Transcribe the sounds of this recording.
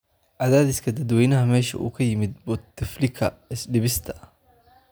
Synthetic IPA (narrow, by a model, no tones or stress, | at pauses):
ʔɐðaːðɪskʰɐd̪ɐd̪wɛjnɐɦɐmɛːʃɐ̰ʔṵːkʰɐjɪmɪd̪̚bɔt̪ːɪflɪkʰɐ̰ɪsɖɪβɪst̪ʰɐ̥